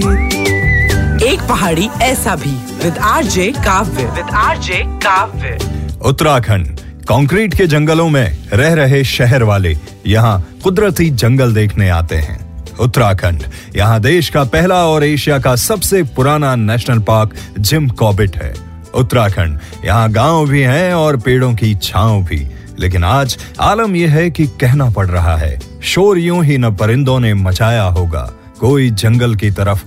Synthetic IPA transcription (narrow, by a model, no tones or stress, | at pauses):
eːk̚pɐɦaːɽiɛːsabʱi | ʋɪd̪aːɾd͡ʒeːkaːʋjəʋɪd̪aːɾd͡ʒeːkaːbjəʊt̪ːɾaːkʰə̃ɳɖ | kãːŋkɾiːʈked͡ʒɐ̃ŋɡəlõmẽɾɛɦɾɐɦeʃɛɦɛɾʋaːlḛ | jɐɦãqʊd̪ɾət̪id͡ʒɐ̃ŋɡəld̪eːkʰnea̰ːt̪ḛɦɛ̰̃ːʊt̪ːəɾaːkʰə̃ɳɖ | jɐ̰ɦãd̪eːʃkapɛɦlaɔːɾeːʃijakasɐbsepʊɾaːnanɛːʃnəlpaːɾkd͡ʒɪmkɔːbɪʈɦɛ̰ː | ʊt̪ːɾaːkʰə̃ɳɖ | jɐ̰ɦãɡãːwbʱiɦɛ̃ɔːɾpeːɽõkit͡ʃʰaːwobʱḭ | lḛːkɪnaːd͡ʒaːləmjeɦɛkikɛɦnapɐɽɾɐɦa̰ɦɛ̰ː | ʃoːɾijõɦinɐpɐɾɪ̃nd̪õnemɐt͡ʃaːjaɦoːɡa̰ː | koːid͡ʒɐ̃ŋɡəlkit̪ɐɾəf